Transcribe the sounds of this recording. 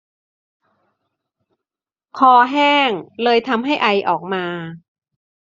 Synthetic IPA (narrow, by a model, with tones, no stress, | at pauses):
kʰɔː˧ɦɛː˥˩ŋlɤː˧jt̪ʰa˧mɦa˥˩jʔa˧jʔɔ̰ː˨˩k̚maː˧